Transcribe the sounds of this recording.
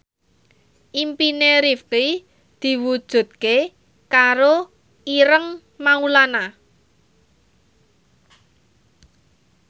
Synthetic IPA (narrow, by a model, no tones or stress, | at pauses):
ʔimpineɾifki | d̪̥i̤wud̥ʒ̥ṳt̪̚ke | kaɾo | iɾəŋ | maulana